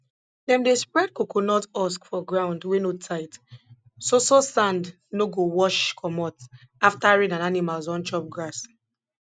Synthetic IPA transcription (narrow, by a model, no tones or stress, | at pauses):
dɛ̃mdespɹɛd̚kokonɔtɔskfɔɡɹãʊ̃ndwenotʰaɪt | sososãnd | noɡowɔʃkʰɔmɔt | aftaɹĩdãnanimalzɔ̃nt͡ʃɔp̚ɡɹas